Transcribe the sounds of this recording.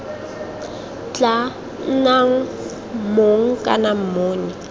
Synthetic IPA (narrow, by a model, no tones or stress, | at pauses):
t͡ɬʼa | n̩naŋ̩ | moŋ̩kʼa̰nam̩moːɲi